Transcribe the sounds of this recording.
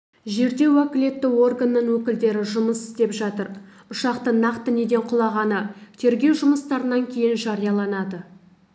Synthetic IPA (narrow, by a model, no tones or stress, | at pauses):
ʒe̞ɾd̪e̞wækʲɪle̞t̪ːɪwo̞rɡanːəɴwɵkʲɪld̪e̞ɾɪʒʊməsɪ̥st̪e̞pʒɑt̪əɾ | ʊʃɑqt̪ənɑqt̪əne̞d̪e̞ɴqʰʊlˠɑʁɑnət̪ʰe̞ɾɡʲe̞wʒʊməst̪ɑɾənɑŋkʲʰe̞jɪnʒɑɾijɑlˠɑnɑd̪ə